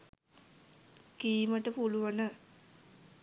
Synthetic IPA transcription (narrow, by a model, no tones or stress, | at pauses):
kiːməʈəpuluʋənə